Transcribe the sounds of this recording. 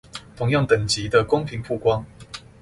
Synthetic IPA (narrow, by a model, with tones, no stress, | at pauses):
t̪ʰʊ˧˦ŋjɑ˥˨ŋt̪ə˨˩ŋt͡ɕi˨˦d̪ə˨kʊ˥ŋpʰi˨˦ŋpʰu˥˨kwɑ˦˥ŋ